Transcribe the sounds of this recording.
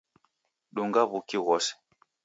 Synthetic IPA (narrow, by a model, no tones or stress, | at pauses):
ɗuŋɡaβukiɣɔsɛ̥